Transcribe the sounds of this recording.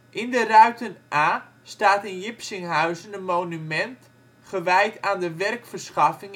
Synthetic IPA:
ʔɪndərœɥtənʔaː | staːtɪnjɪpsɪŋɦœɥzənənmoːnymɛnt | χəʋɛjtaːndəʋɛrkfərsχɑfɪŋ

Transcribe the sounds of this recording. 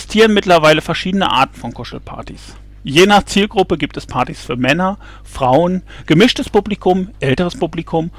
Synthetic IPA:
stʰiːʁənmɪtlɐvaɪləfɛɐʃiːdənə̰ʔa̰ɐtn̩fɔnkʰʊʃl̩pʰa̰ɐtḭs | jeːnaːχt͡siːlɡʁʊpəɡiːp̚tɛspʰaɐtisfyːɐmɛnɐ | fʁ̥aʊənɡ̥əmɪʃtəspuplikʰʊmʔɛltəʁəspuplikʰʊm

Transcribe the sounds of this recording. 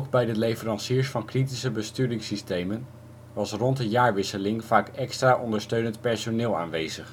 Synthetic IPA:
kbɛjdətlejfərɑnsiːɹsfɑnkritisəbəstyːdɪŋsistejmən | ʋɑsrɔntdəjaːɹʋɪsəlɪŋv̥aːkɛkstraːʔɔndəɹstøɥnəntpɛɹsonɪːlˠa̰ːnʋejzəχ

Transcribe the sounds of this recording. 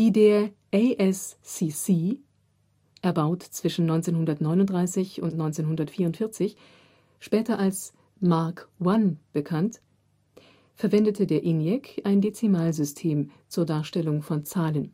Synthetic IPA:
iːdeːɐ | ʔeʔɛsːisiː | ʔɛɐbaʊtt͡sv̥ɪʃn̩nɔʏnt͡seːnhʊndɐtnɔʏnʊntd̥ʁaɪsɪçʊntnɔʏnt͡seːnhʊndɐtfiːɐʊntfɪɐt͡sɪç | ʃpɛːtɐʔals | maɐkwanb̥əkʰant | fɛɐvɛndətʰədeːɐʔɪnjɛkʰaɪndet͡simaːlzʏstʰeːmt͡suːɐdaːɐʃtɛlʊŋfɔnt͡saːlən

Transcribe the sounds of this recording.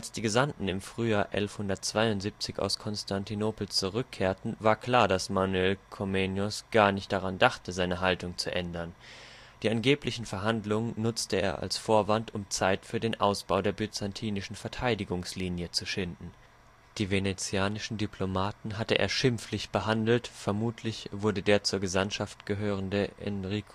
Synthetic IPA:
ʔalsd̥iːɡəzamtn̩ɪmfʁ̥yːjaːɐʔɛ̰lfhʊndɐt̚t͡sv̥aɪʊntz̥iːp̚t͡sɪça̰ʊskʰɔnstʰantʰinoːpl̩t͡suʁʏkʰːeːɐtn̩vaːɐkl̥aːɐdasmanuɛlkʰomenjʊsɡ̥aːɐnɪçt̚d̥aʁandaχtəzaɪnəɦaltʊŋt͡suʔɛndɐn | d̥iːʔanɡeːplɪçn̩fɛɐɦandlʊŋənːʊt͡stəḛːɐʔa̰lsfoːɐvantʊmt͡saɪtfyːɐdeːnʔaʊsb̥aʊdeːɐbyt͡santʰiːnɪʃn̩fɛɐtʰaɪdɪɡʊŋsliːnjət͡suʃɪndn̩ | d̥iːvenet͡sjaːnɪʃn̩dipʰlomaːtn̩ɦatəʔḛːɐʃɪmflɪçb̥əɦandl̩tfɛɐmuːtʰlɪçv̥ʊɐdədeːɐt͡suːɐɡəzanʃaftɡ̥əɦøːʁəndəʔɛ̰nʁik

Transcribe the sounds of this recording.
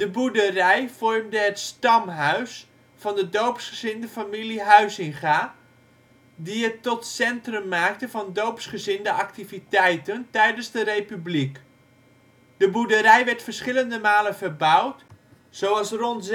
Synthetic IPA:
d̥əbudərɛjfɔrmdəɦətstɑmɦœɥs | fɑndədowpsχəz̥ɪndəfamiliɦœɥsɪnχaː | diətːɔtsɛntrɵmːaːk̚təvɑndowpsχəzɪndəʔaktivitɛjtəntɛjdənzdərejpyblik | d̥əbudəɾɛjʋɛɹtfərsχɪləndəmaːlənvərbʌwt | sowɑlˠsrɔnt

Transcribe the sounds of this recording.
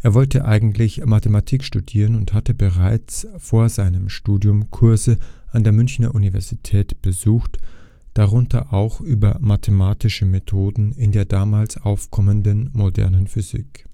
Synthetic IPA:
ʔeːɐvɔltʰəʔaɪɡŋ̩tlɪçmatematʰiːkʃtud̥iːʁənʊnthatəbəʁaɪt͡sfoːɐzaɪnəmʃtuːdjʊmkʰʊɐzəʔandeːɐmʏnçnɐʔunivɛɐzitʰɛːtb̥əzuːxt | d̥aʁʊntʰɐ̰ʔaʊxʔyːbɐmatʰemaːtɪʃəmetʰoːdn̩ɪndeːɐdaːmaːlsaʊfkʰɔməndənmodɛ̰ɐnənfyzḭːk

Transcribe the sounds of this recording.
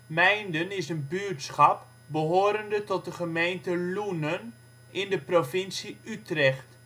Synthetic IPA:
mɛjndənɪsənbyːtsχɑp | bəɦoːɾəndətɔt̚dəχəmejntəlunən | ɪndəprofɪnsiytrɛχt

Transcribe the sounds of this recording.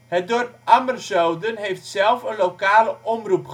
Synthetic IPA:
ɦət̚dɔrpamərsowdənɦejftsɛlˠfənlowkaːləʔɔmrupχ

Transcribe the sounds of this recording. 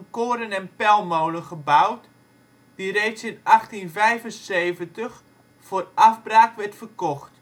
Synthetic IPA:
ənkoːɾənɛnpɛlˠmowləχəbawt | d̥irejsɪnaxtinvɛjvənseːvəntəx | forʔavbraːkʋɛrtfərkɔxt

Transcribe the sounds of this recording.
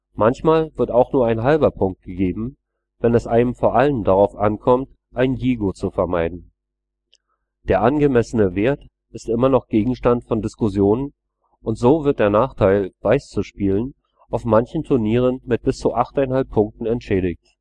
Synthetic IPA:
mançmaːlvɪɐtaʊxnuːɐaɪnɦalbɐpʰʊŋk̚t̚ɡ̥əɡeːbm̩ | vɛnɛsʔaɪnəmfoːɐʔaləndaʁaʊfʔankʰɔmt | ʔaɪnjiːɡot͡sufɛɐmaɪdn̩ | d̥eːɐʔanɡəmɛsənəveːɐt | ɪstʔɪmɐnɔχɡ̥eːɡŋ̩ʃtantfɔndɪskʊzjoːnən | ʔʊntz̥oːvɪɐt̚d̥eːɐnaːχtʰaɪlv̥aɪst͡suʃpiːlən | ʔaʊfmançn̩tʰʊɐniːʁ̞ənmɪt̚b̥ɪst͡suʔaχtaɪnɦalpʰːʊŋk̚tn̩ɛntʃɛːɾɪçt

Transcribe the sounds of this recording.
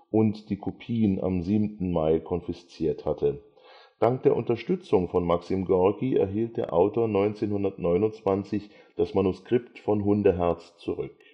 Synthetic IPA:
ʔʊntd̥iːkʰopʰiːənʔa̰mziːbmtn̩maɪkʰɔnfɪst͡siːɐthatʰə | d̥aŋk̚d̥eːɐʔʊntɐʃtʏt͡sʊŋfɔnmaksimɡɔɐɡiɛ̰ɐɦiːlt̚d̥eːɐʔa̰ʊtoːɐnɔʏnt͡seːnhʊndɐtnɔʏnʊnt͡sv̥ant͡sɪç | d̥asmanʊskʁ̥ɪptfɔnɦʊndəɦɛɐt͡st͡suʁʏ̰k

